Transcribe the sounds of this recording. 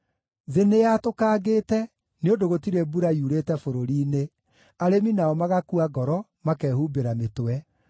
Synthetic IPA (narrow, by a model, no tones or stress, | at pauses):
ðeneatokaːɣetɛ | neondoɣotiɾebuɾaiuɾetɛfoɾoɾiːne | aɾeminaɔmaɣakuaɡɔɾɔmakɛːhuːbeɾametowɛ